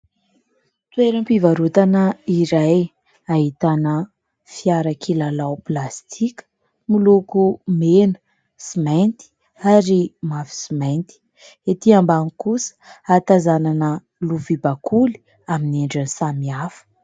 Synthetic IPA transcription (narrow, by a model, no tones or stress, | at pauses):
t̪weɾəmpivaɾut̪anəiɾaj | aɦit̪anə | fiaɾakʰilalawplast̪ʰikə̥ | milukumenə̥ | simant̪i̥ | aɾimafi̥simajnt̪i̥ | et̪iambaŋikusə̥at̪azananə | luvibakʰuli̥ | amineɳɖ͡ʐanisamiafə̥